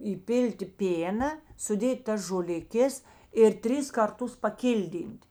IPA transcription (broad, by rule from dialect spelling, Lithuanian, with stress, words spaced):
iːˈpʲɪlʲtʲɪ ˈpʲeːnɐ sʊˈdʲeːtʲ ˈtɐs ʒoːlʲɪˈkʲeːs ɪr ˈtʲrʲɪs ˈkɐrˌtʊs pɐˈkʲɪlʲˌdʲiːnʲtʲ